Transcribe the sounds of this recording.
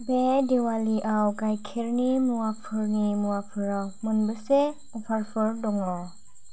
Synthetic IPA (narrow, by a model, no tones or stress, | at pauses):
bedewaliʔawkajkʰeɾnimuwapʰɯɾnimuwapʰɯɾawmɯnbəse | ɔpʰaɾpʰɯɾdɔŋɔ